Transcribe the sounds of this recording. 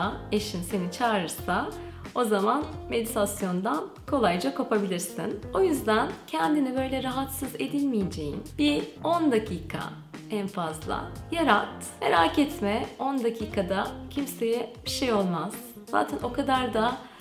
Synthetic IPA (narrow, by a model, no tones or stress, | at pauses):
eʃinse̞nit͡ʃʰaːɾɯsa | o̞zamanme̞d̪it̪ʰasjo̞nd̪an | kʰo̞lˠajd͡ʒakʰopʰabilʲiɾsḭno̞jyzd̪æncʰɛnd̪inibø̞jlʲɛɾaɦat̪sɯze̞d̪ilʲmijed͡ʒe̞jḭnbio̞nd̪acʰiːkʰa̰ | ænfazlˠa̰jaɾat̪ | me̞ɾaːcɛt̪mɛo̞nd̪acʰiːkʰad̪acʰimse̞jɛb̥iʃejo̞lˠmaz̥ | z̥a̰ːt̪ʰɛnʔo̞kʰad̪aɾd̪a